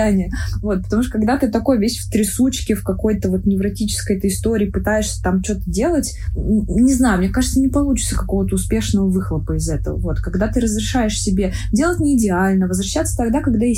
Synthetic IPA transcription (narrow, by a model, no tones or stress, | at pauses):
anʲɪjəvo̞t̪̚pə̥t̪ɐmuʂ̬t̪ə̥kɐɡd̪at̪ɨt̪ɐko̞jvʲesʲft̪ɾʲɪsut͡ɕkʲɪfkɐko̞jt̪əvo̞t̪nʲɪvɾɐtʲit͡ɕɪ̥skəjɛt̪əɪst̪o̞ɾʲɪːpɨt̪ajɪʂsʲə̥t̪amt͡ɕot̪ədʲe̞lˠətʲ | nʲɪznajʊmnʲekaʐɨt̪sənʲɪpɐlˠut͡ɕɪ̥t̪səkɐko̞vət̪əʊspʲe̞ʂnəvəvɨxlˠəpəɪzɛt̪ə̰və̰vo̞t̪kɐɡd̪at̪ɨɾəzɾʲɪʂajɪʂsʲɪbʲe | dʲe̞lˠətʲnʲɪːdʲɪalʲnəvəzɾɐɕːat̪sət̪ɐɡd̪akɐɡd̪aje